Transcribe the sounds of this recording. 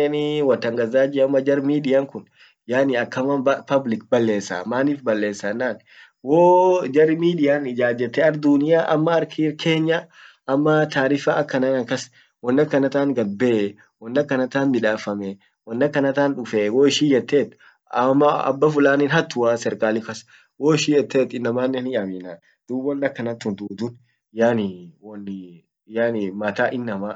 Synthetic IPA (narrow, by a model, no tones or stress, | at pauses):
eniwɐt̪ːɐŋɡɐzaːd͡ʒɪɐmːɐd͡ʒɐɾmiːdɪjaŋkʊn | jaːniɐkːɐmɐpɐblɪk̚bɐlːe̞ːsːa̰ːmaːniːfbɐlːe̞ːsːɐnːaːn | woːd͡ʒɐɾmiːdɪjaːnd͡ʒaːd͡ʒːɛt̪ːɛɐɾd̪unɪjaːʔɐ̰mːɐːɾkʰikʰe̞ːɲːɐ | ʔɐmːɐt̪ʰaːɾɪfaːɐkːɐnanɐkɐs | wɔnːɐkːɐnɐt̪aːŋɡɐbeː | wɔnːɐkːɐnɐt̪aːnmɪᶑaːfɐmɛ | wɔnːɐkːɐnɐt̪aːnᶑʊfeːwoːɪʃiːjɛt̪ːeːt̪ː | ɐmːɐɐ̰bːɐfʊlaːniːnɦɐt̪ːʊwaːsɛɾkʼaːlɪfɐs | woːɪʃiːjɛt̪ːeːt̪ɪnːɐmaːnːɛnɪɐmɪnaː | d̪̥ubɔnːɐkːɐnɐt̪ːʊnd̪uːd̪ʊn | jaːnɪwn | jaːnɪmɐt̪aːʔɪnːɐmaː